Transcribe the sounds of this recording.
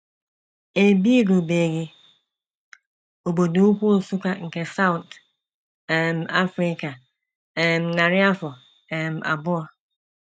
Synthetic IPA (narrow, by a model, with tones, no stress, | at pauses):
e˨bi˦ɾu˨be˨ɡɪ˦ | o˨bo˨du˦kʷu˦˨su˦ka˦ŋ̩˨kɛ˨sa˦wʊ˨t | ɛ˨m˨a˦fɾi˦ka˨ | mna˨ɾɪ˦a˦fɔ˨ | ɛ˨ma̰˨bʊ˦a˨